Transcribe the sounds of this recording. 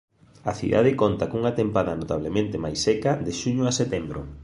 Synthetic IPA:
aθḭða̰ð̞ekont̪akuŋat̪empaðanot̪aβ̞lemẽnt̪emajsːɛkaðeʃuɲʊaset̪ɛmbɾo̰

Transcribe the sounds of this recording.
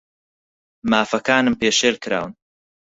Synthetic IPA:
maːfɐkaːnɨmpeːʃeːɾkɾa̰ːwn

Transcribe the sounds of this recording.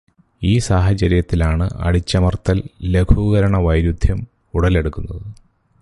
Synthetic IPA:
iːsaːɦɐt͡ɕɐɾijɐt̪ːilaːɳɨɐ̰ɽit͡ɕːɐmɐrt̪ːɐlːe̞ɡʰʱuɣɐɾɐɳɐʋɐjɾud̪ʱjɐm | uɽɐle̞ɽukːunːɐðɨ

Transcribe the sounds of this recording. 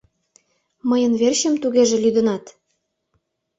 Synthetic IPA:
məjə̆nβerɕə̆mt̪uɣeʒĕlyd̪ə̆nɑt̪

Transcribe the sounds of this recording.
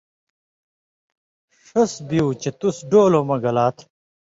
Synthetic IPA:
ʂɐsbiut͡ɕet̪usɖoːloːmɐɡɐlaːt̪ʰ

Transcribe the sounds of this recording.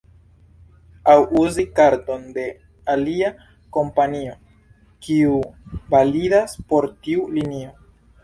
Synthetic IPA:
awʔuzikaɾto̞nde̞ | alia | ko̞mpanio̞ | kiuvalidaspo̞ɾtiulinio̞

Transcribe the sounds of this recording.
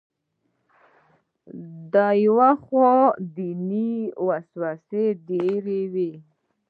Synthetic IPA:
d̪ajwaχod̪iniwaswased̪eɾewe

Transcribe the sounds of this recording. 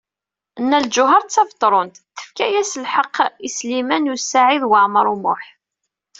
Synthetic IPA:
ənːæld͡ʒʊɦɑɾˤt͡sːɑvt̪ˤːɾˤʊnt̪θə̥fkæjæsəlħəqːislimænjusaʕiðwəʕməɾˤumʊħ

